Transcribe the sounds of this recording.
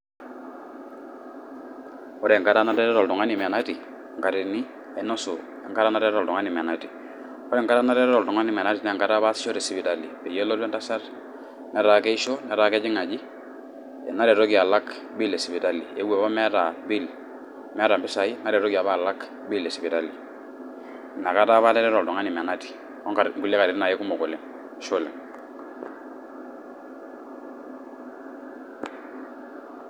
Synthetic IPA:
ɔ˦ɾɛ˨ŋka˦ta˦na˦tɛ˦ɾɔ˦ɾɔ˨ltʊ˨ŋa˦ni˨m˨na˦ti˨ | ŋka˨ɾi˨ni˦ | ɛ˨no˦sṵ˨ | ɛ˨ŋka˦ɾa˦na˦ɾɛ˦ɾɔ˨ltu˨ŋa˦ni˨m˨ɛ˨na˨˦ti˨ | ɔ˦ɾɛ˨ŋka˦ɾa˦na˦ɾɛ˦ɾɔ˦ɾɔ˨ltu˨ŋa˦ni˨mɛ˨na˦ti˨nɛ˦˨ŋka˦ɾa˦βa˦si˦ɔ˦ɾe˨si˨bi˨ta˨li˨pe˨je˦lo˦ɾɛ˦nta˦sa˦r | nɛ˦ɾa˨ke˦i˦ʃo˦nɛ˨˦ɾa˨kɛ˦d͡ʒɪ˦ŋa˨d͡ʒi˦ | ɛ˨na˦ɾe˨ɾo˦ɡi˨a˨la˦k | bi˦le˨si˨bi˨ta˦li˨e˦ɡwe˨˦ba˦mɛ˦ɾa˨bi˦l | mɛ˦ɾa˨mbi˦sa˨i˦na˦ɾe˨ɾɔ˦ɡi˨a˨βa˦˨la˦k | bi˦le˨si˨bi˨ta˦li˨ | na˨ka˦ta˦βa˦tɛ˦ɾɛ˦ɾɔ˨dɔ˨ŋa˦ni˨mɛ˨na˦ti̥˨ | ɔ˦ŋka˨ɡu˨le˦ka˨ɾi˨ɾi˦na˨je˦ku˦mɔ˨ku˨lɪ˦ŋ˨˦ | ʃo˦lḛ˨ŋ

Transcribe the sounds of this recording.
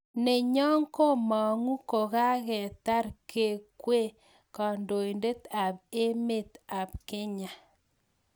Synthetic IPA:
ne˨ɲɔ˦ŋko˦mɔ˨ŋu˦ko˨ɣa˦ɣɛ˨ta˦ɾke˦˨kwe˦˨ | kɔ˨ndo˨i˨nde˦t̪a˨p̚e˦me˦˨t̪a˨p̚ke˦ɲa˨

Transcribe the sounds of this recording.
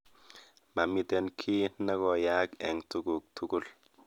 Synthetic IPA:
ma˨mi˦te˨nkʰi˦na˦kɔ˨ja˦kɛ̰˨ŋtu˦ɡu˨k̚tʰu˦ku˦˨l

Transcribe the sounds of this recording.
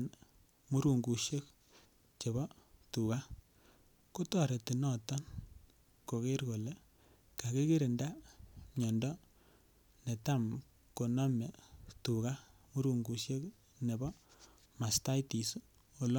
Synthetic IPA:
n | mu˦ɾu˨ŋɡu˨ʃe˦k̚ | t͡ʃe˨βɔ˦tu˨ka˦ | ko˦tɔ˨ɾe˨ti˨nɔ˦tɔ˦n | ko˨ke˦ɾko˨le˦ | ka˨ke˦ke˦ɾe˨nda˦mɲɔ˨ndɔ˦ | ne˨ta˦m | ko˨nɔ˦me˨tu˨ka˦ | mu˦ɾu˨ŋɡu˨ʃe˦k | ne˨bɔ˦ | ma˨sta˦jti˨s | o˨l

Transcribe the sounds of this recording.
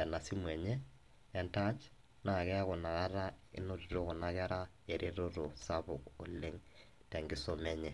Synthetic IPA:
ɛ˨na˨si˦mwɛ˨ɲɛː˦ | nta˦t͡ʃ | na˨ɣɛ˦ɣo˨na˨ɣa˦ɾa˦ | ḛ˦no˦ɾi˨ɾo˦ɣo˨na˦ɣɛ˦ɾa˦ | e˨ɾʔe˦ɾo˦ɾo˨sa˦βo˨ko̰˨le˦ŋ | tɛ˨ŋɡi˦so˦mɛ˦ɲɛ˨

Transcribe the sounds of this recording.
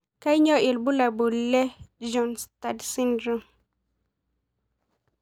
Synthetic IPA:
ka˦jɲɔ˦ʔi˨lbu˦la˨bu˨lːɛ˦d͡ʒɔ˨nsta˨dsi˦ndɾu˨m

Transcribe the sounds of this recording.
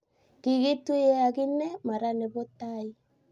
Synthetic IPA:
ɣi˨ɣe˦twe˦a˨ɣi˦nɛ˦ma˨ɾane˨βo˦tai˦

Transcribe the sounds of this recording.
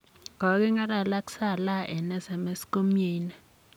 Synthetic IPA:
ŋɔ˨˦k̬ɛ˦ŋa˦la˨la˦ksa˦˨la˦ʔɛ˨nɛ˦za˨me˦sko˦mjiː˦nɛ˨

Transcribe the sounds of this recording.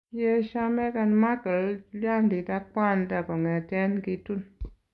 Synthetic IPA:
je˦ʃa˧mɛ˦ka˧nma˦kə˨llja˦ndi˨ta˦k͡pa˦˨nda˨kɔ˨ŋɛ˨tɛ˦nki˧tu˦n

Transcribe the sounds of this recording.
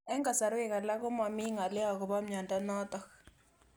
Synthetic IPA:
ɛ˦ŋɡa˨sa˨ɾʊ˦ɛ˨ka˨la˦kʊ˦ma˨mi˦ŋa˨lɛ˦a˨kʊ˨βa˦mɲa˨nda˦nɔ˦tɔ˨k

